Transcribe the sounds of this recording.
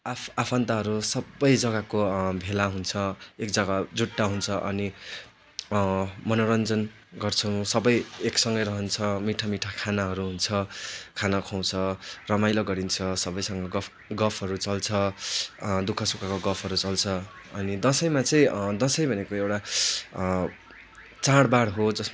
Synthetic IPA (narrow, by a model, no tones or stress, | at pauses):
aapʰʌnt̪aɦʌɾusʌbʌjd͡zʌɡakobʱelaɦunt͡sʰʌekd͡zʌɡad͡zuʈːaɦunt͡sʰʌʔʌ̰ni | mʌnoɾʌnd͡zʌn | ɡʌrt͡sʰʌw̃sʌbʌjeksʌŋɡʌjɾʌɦʌnt͡sʰʌmiʈʰamiʈʰakʰanaɦʌɾuɦunt͡sʰʌkʰanakʰaw̃t͡sʰʌrʌmajloɡʌɾint͡sʰʌsʌbʌjsʌŋɡʌɡʌ | ɡʌpʰɦʌɾut͡sʌlt͡sʰʌ | d̪ukʰʌsukakoɡʌpʰʌɾut͡sʌlt͡sʰʌ | ʌnid̪ʌsʌjmat͡sʌĩd̪ʌsʌjbʱʌnekoewʈa | t͡saɽbaɽɦod͡zʌsma